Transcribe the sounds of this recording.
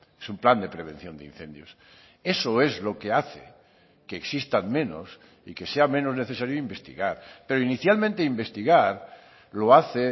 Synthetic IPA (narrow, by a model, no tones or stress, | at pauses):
esumpland̪e̞pɾe̞β̞ẽ̞n̟θjo̞nd̪ḛin̟θẽ̞nd̪jos | e̞so̞e̞zlo̞ke̞aθḛ | keːksist̪anmẽ̞no̰s | ḭke̞seamẽ̞no̞zne̞θe̞saɾjoimbe̞st̪ḭɣaɾpe̞ɾoiniθjalmẽnt̪e̞imbe̞st̪iɣaɾ | lo̞aθe